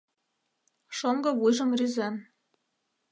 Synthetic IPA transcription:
ʃoŋɡɤ̆βujʒɤ̆mryzæm

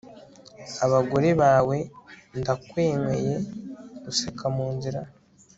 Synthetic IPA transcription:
aβaɡoɾeβaːwe̞ndakweːŋweje̞ɡusekʰamuːnziɾa

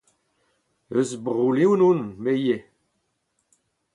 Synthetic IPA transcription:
øzbʁulewnunmeje

